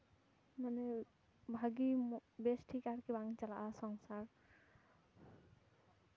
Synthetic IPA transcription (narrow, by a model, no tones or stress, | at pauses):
manɛ | bʱaɡibesʈʰikaɹkibaŋit͡ʃala̰ʔasɔŋsaɹ